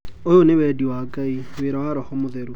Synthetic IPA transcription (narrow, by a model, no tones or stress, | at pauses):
ojonɪwɛdiwakʼaiwɪɾɔwaɾɔhɔmʊðɛɾu